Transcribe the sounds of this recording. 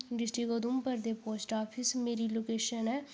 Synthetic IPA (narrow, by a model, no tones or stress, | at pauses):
ɖɪsʈɾiːɡoːd̪umpəɾd̪eːpoːsʈaːpʰɪsmeːɾiːloːkeːʃənɛː